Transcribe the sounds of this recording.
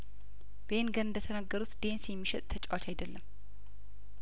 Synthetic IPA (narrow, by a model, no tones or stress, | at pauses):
b̥enɡənɨnd̪ət̪ʰənaɡːəɾut̪d̪̥e̞nsjɛmːiʃət̪ʼt̪ʰət͡ʃʼɛwat͡ʃajd̪əlːəm